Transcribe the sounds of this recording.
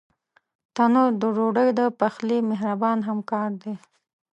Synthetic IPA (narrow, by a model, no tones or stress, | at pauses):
t̪anod̪əɾoɖəjd̪əpaxlimeɦɾabɑnɦamkɑɾd̪e